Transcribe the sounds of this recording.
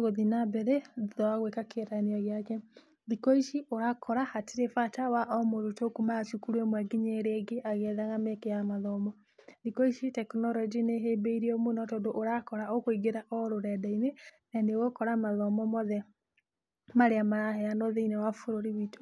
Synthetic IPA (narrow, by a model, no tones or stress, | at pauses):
ɣoðinabɛɾeðɔaɣwekakʰeɾaniɔɣeakɛ | ðikoiʃiʔoɾakʰɔɾahateɾefatawaʔɔmoɾutokumat͡ʃukuɾemwaɡiɲeɾeɡeʔaɣɛðaɣamekejamaðɔmɔ | ðikoiʃitɛknɔɾɔd͡ʒineɦebeiɾiomonɔtodoʔoɾakɔɾaokoiɡeɾaʔɔɾoɾɛdainenaneɣokɔɾamaðɔmɔmɔðɛ | maɾeamaɾahɛanoðeinɛwafoɾoɾiwito̥